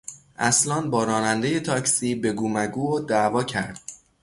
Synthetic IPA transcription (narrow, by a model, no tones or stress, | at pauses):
ʔæslɒːnbɒːɾɒːnænd̪e̞je̞t̪ʰɒːcsiːbe̞ɡuːmæɡuːod̪ævɒːcʰæɾd̪̥